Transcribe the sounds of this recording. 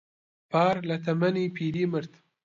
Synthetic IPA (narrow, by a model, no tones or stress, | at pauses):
pɑːɾlat̪ʰamanipʰiliməɾt̪